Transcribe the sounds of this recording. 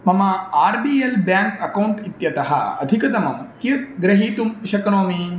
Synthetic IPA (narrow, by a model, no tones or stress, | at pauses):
mɐmɐaːɾbiːelbjaːŋkɐkɐwuɳʈit̪jɐt̪ɐɦɐ̰ɐ̰d̪ʱikɐt̪ɐmɐmkiɾt̪̚ɡɾɐɦiːt̪umʃɐkɐnoːmi